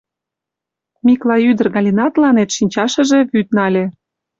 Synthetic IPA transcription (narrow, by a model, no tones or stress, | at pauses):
mʲiklˠɑyd̪ə̆rɣɑlʲinɑt̪lɑnet̪ʃinʲt͡ɕɑʃə̆ʒĕβyt̪̚nɑlʲĕ